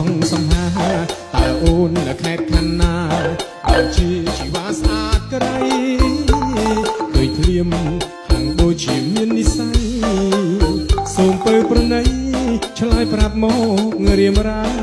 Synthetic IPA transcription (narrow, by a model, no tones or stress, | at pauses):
ŋsɑmhaːt̪alʔoːnːɨwkʰaɛt̪̚kʰanːaː | ɗat͡ɕiət͡ɕiʋaːsʔaːt̪̚kɗaj | kɨːjt̪ʰliəm | haŋɗoːc̚t͡ɕiəmiənːisaj | soːmpəːprɑnəjt͡ɕʰlaːjprap̪̚mɔːk̚ŋəɾiəmraː